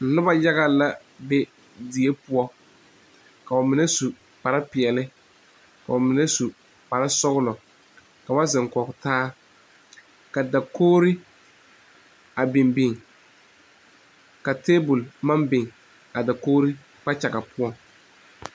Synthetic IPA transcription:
n̩˨nʊ˦ba˦ja˦ɣa˦la˦ | bɛ˦ | di˨e˦pʊ˦ɔ˦ | ka˨a˨mɪ˨nɛ˦su˨ | pa˨ɾa˦pɪ˨ɛ˨lɪ˦ | ka˨a˨mɪ˨nɛ˦su˨ | pa˨ɾa˦sɔ˦ɣʊ˦lɔ˨ | ka˨ba˦zɪ˨ŋkɔ˨kʊ˨taː˦ | ka˨da˨koː˦ɾi˦ | a˨bɪ˨mbɪ˨ŋ | ka˨teː˦bʊ˨lma˦mbɪ˨ŋ | a˨da˨koː˦ɾi˦ | k͡pa˦t͡ʃa˨ɡa˨pʊ˦ɔ˦ŋ

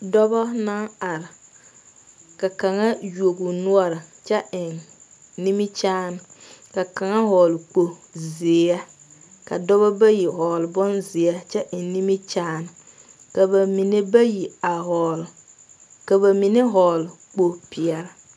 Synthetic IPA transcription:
dɔ˦bɔ˦na˦ŋa˨ɾɪ˨ | ka˨ka˨ŋa˦ju˨o˨ɡʊ˨nʊ˦ɔ˦ɾɪ˨t͡ʃɛ˦ɪ˨nː | i˦mi˦t͡ʃaː˦nʊ˨ka˨ka˨ŋa˦ɦɔː˨lk͡po˨zɪ˨˦a˦ | ka̰˨dɔ˦βɔ˦ba˦ji˨hɔː˨lbɔ˦nzɪ˨ɛ˦t͡ʃɛ˦ʔɪ˨n˦ni˦mi˦t͡ʃaː˦nɪ˨ | ka˨ba˨mi˨ne˦ba˦ji˨a˨ɦɔ˨l | ka˨ba˨mi˨ne˦ɦɔː˨l | k͡po˨pɪ˨ɛ˨ɾɪ˨

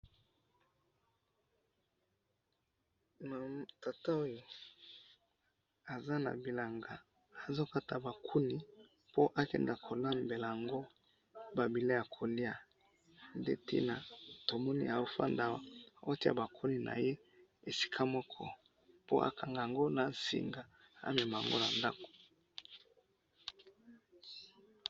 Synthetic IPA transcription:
ma˨ta˨ta˦o˦jo˨ | a˨za˦na̰˨bi˨la˨ŋɡa˨ | a˨zo˦ka˦ta˨ba˨kʰu˦ni˨ | po˦ʔa˦kɛ̰˨nda˨kʰo˨la˦mbe˨la˨a˨ŋɡo˦ | ba˨bi˨la˦ja˨kʰo˨li˦a˦ | ndḛ˦tḭ˦na˨to˨mɔ˦nḭ˦a˨o˦fa̰˦nda˨wa˨o˦ti˦a̰˦˨ba˨kʰu˦ni˨nʔa̰˨je˦ | e˨si̥˦kʰa˦mɔ˦kʰɔ˦ | po˦ʔa̰˨kʰa˨ŋɡa˨a˨ŋɡo˦na˨sḭ˨ŋɡa˨a̰˦mɛ˨ma˨a˨ŋɡo̰˦na˨nda˦ko̥˨

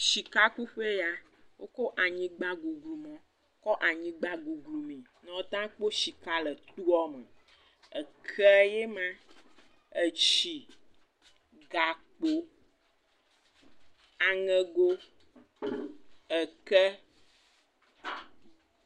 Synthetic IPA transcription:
ʃi˨ka˦ku˦ɸe˦ja˦ | wo˦kɔ˦ʔa˨ɲĩ˦ɡ͡ba˦ɡu˨ɡlu˨mɔ̃˦ | kɔ˦ʔa˨ɲĩ˦ɡ͡ba˦ɡu˨ɡlu˨mĩ˨nɔ̃˨˦t̪ã˦k͡po˦ʃi˨ka˦lə˨t̪u˦ɔ˦mə̰̃˨ | ə˨kʰɛ˦je˦mã˦ | ə˨t͡ɕi˨ | ɡa˨k͡po˨ | a˨ŋɛ̃˦ɡo˦ | ə˨kɛ˦

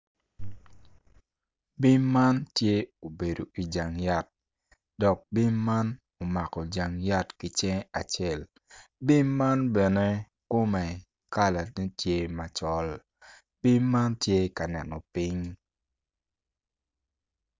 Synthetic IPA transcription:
bi˦mːa˦ntje˦o˨be˨do˨ʔi˨d͡ʒa˨ŋja˦t̚ | dɔ˨k̚bi˦mːa˦n | o˨ma˨kɔ˨d͡ʒa˨ŋja˦tki˨t͡ʃɛ˦a˨t͡ʃe˦˨l | bi˦mːa˦nbɛ˨ne˦ | ko˦mɛ˨ | ka˦la˨ne˦tje˦ma˨t͡ʃɔ˨l | b̥i˦mːa˦ntje˦ka˨nɛ˨nɔ˨pi˦ɲ

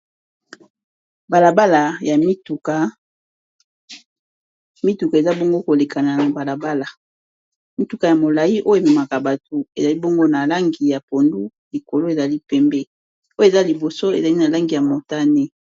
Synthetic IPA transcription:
ba˨la˨ba˦la˨ja˨mi˦tu˨ka˨ | mi˦tu˨ka˨e˨za˦bo˦ŋɡo˦ko˨le˨kʰa˨na˨ba˨la˨ba˦la˨ | mi˦tu˨ka˨ja˨mo˨la˨ji˦ʔo˦jo˦e˨mɛ˨ma˨ka˨ba˨to˨e˨za˨li˦bo˦ŋɡo˦na˨la˦ŋɡi˨ja˨po˨ndu˦ | li˨ko˨lo˦e˨za˨li˦pɛ˦mbɛ˦ | o˦e˨za˦li˨bo˨so˦ḛ˨za˨li˦na˨la˦ŋɡi˨ja˨mo˨ta˦nɛ˦

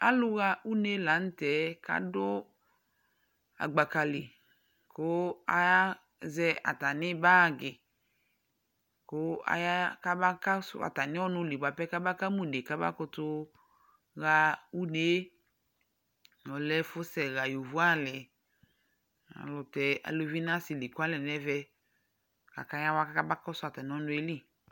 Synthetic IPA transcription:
a˦lʊ˦ɣa˧u˦ne˦la˨˦n̩˦tɛ˨˦ka̰˦dʊ˦ | a̰˨ɡ͡ba˨ka˨lɪ˨ | ko˦a˨a˦ | zɛ˧a̰˨ta˨nɪ˦ba˦˨ɡɪ˨ | ko˦a̰˦ja˦ka˦ba˦ka˦sʊ̰˦a̰˨ta˨nɪ̃˦ɔ˦nʊ̃˧li˨ɡ͡ba˨pɛ˦ka˦ba˦ka˦mu˨ne˨ka˦ba̰˦kʊ˧tʊ˧ | ɣa˧u˦ne˨˦ | nɔ˨lɛ˦fʊ˦sɛ˨ɣa˨jo˨vu˦a˦lɛ˨ | a̰˨lʊ˨tɛ˨a̰˨lo˧vi˦na˦si˨li˨ku˦a˦lɛ˨nɛ˦vɛ˧ | ka̰˨ka˦ja˦wa˦ka˦ka˦ba˦kɔ˦sʊ˦a˨ta˨nɪ˨˦ɔ˦nʊ̃˧e˦li˦

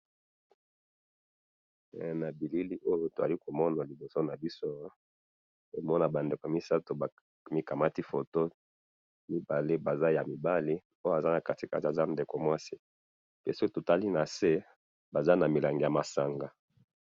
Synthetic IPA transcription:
na˨bi˨li˦li˦ʔo˦jo˦to˨a˨li˦ko˨mɔ˦na˨li˨bo˨so˦na˨bi˦so˦ | e˨mɔ˦na˨ba˨nde˨ko˨mi˦sa˦to˨ | mi˦ka˨ma˦ti˦fo˨to˦ | mi˦ba˨le˦ba˨za˦ja˨mi˨ba˦li˦ | o˦ja˨za˦na˨ka˨ti˨ka˦˨ti˨a˨za˦nde˨ko˨mwa˦si˦ | pe˦so˦o˦to˨ta˦li˦na˨se˦ | ba˨za˦na˨mi˨la˨ŋɡe˨ja˨ma˨sa˨ŋɡa˨

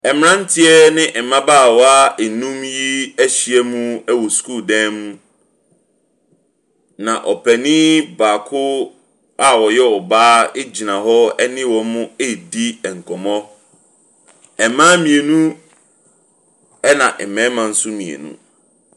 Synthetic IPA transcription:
ɛ˨m˦ɾã˦n˦tʰɪ˦ɛ˦nɪ̃˦ʔɛ˨mã˦baː˦˨wɔ˦a˦e˨nũ˦mji˦æ˦ɕi˨ɛ˦mũ˦ɛ˦wɔ˨skʰuː˦˨dɛ̃˦mũ˦ | nã˨ʔɔ˨pʰɛ˨nĩ˦baː˨kʰʊ˦ | a˦wɔ˨jɛ˦ɔ˨baː˦e˦d͡ʑi˨nã˨ɦɔ˦ɛ˦nɪ̃˦wɔ˨mʊ̃˦e˦˨di˦ɛ˨ŋ̩˨kʰɔ˨mɔ̃˦ | ɛ˨mãː˦mĩ˨e˨nũ˦ | ɛ˦nã˨ʔɛ˨mɛ̃˨˦mã˨n̩˦sʊ˦mĩ˨ḛ˨nṵ̃˦

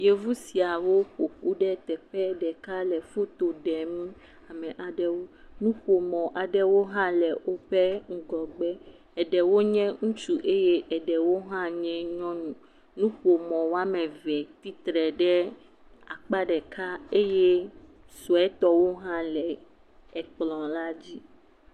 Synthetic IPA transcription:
je˦vu˦si˨a˨wo˦ɸo˨ku˦ɖɛ˦t̪ɛ˨ɸɛ˦ɖɛ˨ka˦lɛ˨fu˦t̪o˨ɖɛ˨mĩ˦ | a˨mɛ̃˨ʔa˨ɖɛ˦wo˦ | nũ˦ɸo˨mɔ̃˨ʔa˨ɖɛ˦wo˦ɦã˦lɛ˨wo˦ɸɛ˦ŋ̩˦ɡɔ˨ɡ͡bɛ˦ | ɛ˨ɖɛ˨wo˦ɲɛ̃˦ŋũ˦t͡ʃu˦ʔe˦je˦ʔɛ˨ɖɛ˨wo˦ɦã˦ɲɛ̃˦ɲɔ̃˦nũ˨ | nũ˦ɸo˨mɔ̃˨wo˦a˦mɛ̃˨vɛ˨t̪i˦t̪ɾɛ˨ɖɛ˦ | a˨k͡pa˦ɖɛ˨kʰa˦e˦je˦ | sɔ˨ɛ˦t̪ɔ˦wo˦ɦã˦lɛ˨ | ɛ˨k͡plɔ̃˨la˦d͡ʑi˦

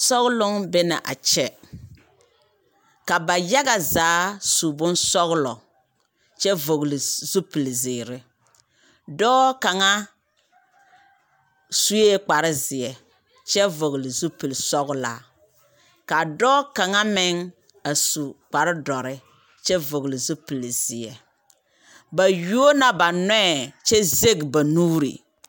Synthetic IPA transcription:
sɔ˦ɣʊ˦lʊ˦ŋbɪ˦na˨ʔa̰˨t͡ʃɛ˦ | ka˨ba˨ja˦ɡa˨zaː˨˦su˨bʊ˦nsɔ˦ɣlɔ˨ | t͡ʃɛ˦vo˨ɣlɪ˨zu˦pi˨lzɪː˨ɾɪ˨ | dɔː˦ka˨ŋa˦ | su˦je˦k͡pa˨ɾɪ˦zɪ˨ɛ˨ | t͡ʃɛ˦vo˨ɡlɪ˨zu˦pi˨lsɔ˦ɣla̰˨ | ka˨dɔː˦ka˨ŋa˦mɪ˦ŋ | a˨su˨k͡pa˨ɾɪ˦dɔ˨ɾɪ˦ | t͡ʃɛ˦vo˨ɣlɪ˨zu˦pi˨lz̥ɪ˨ɛ˨ | ba˨ju˦o˦na˨ba˨nwɛ˦˨t͡ʃɛ˦ze˦ɡba˨nuː˦ɾḭ˨

